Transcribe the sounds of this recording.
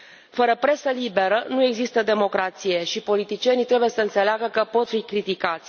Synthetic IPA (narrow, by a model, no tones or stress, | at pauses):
fəɾəpɾe̞səlibe̞ɾənue̞ɡzist̪əd̪e̞mo̞kɾat̪sije̞ʃipo̞lit̪it͡ʃie̞nijt̪ɾe̞buje̞səɨnt̪se̞leaɡəkəpo̞t̪fikɾit̪ikat̪sʲ